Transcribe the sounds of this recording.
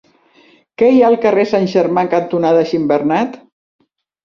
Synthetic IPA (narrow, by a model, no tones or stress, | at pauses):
kɛjaəlˠkəresanʲʒəɾmaŋkant̪unaðəʃimbərnat̪